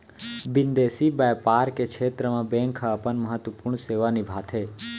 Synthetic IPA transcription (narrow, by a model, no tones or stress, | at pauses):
bɪnd̪eːsibaːjpaːɾkekʰeːt̪ɾəmãbẽːŋkʰaəpənməɦət̪wəpuːɾɳseːʋanɪbʱaːt̪ʰɦeː